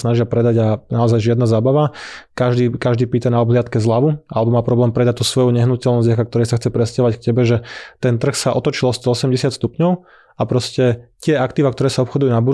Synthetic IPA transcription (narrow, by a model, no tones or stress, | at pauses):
snaʒɪapɾɛd̪aɟanaɔzajʒɪad̪nazaːbaʋakaʒd̪iːkaʒd̪iːpiːt̪anaɔbɦlɪat̪kɛzlaʋuʔa̰lɛbɔmaːpɾɔblɛːmpɾɛd̪ac̚t̪usʋɔjuɲɛɦnucɛlnɔzɟakakt̪ɔɾɛjsaxt͡sɛpɾɛscaʋackcɛbɛʒɛt̪ɛnt̪r̩xsaʔɔt̪ɔt͡ʃilɔst̪ɔɔsɛmɟɛsɪat̪st̪upɲɔʊ | apɾɔscɛt̪ɪɛakt̪iːʋakt̪ɔɾɛːsaɔpxɔd̪ujunabu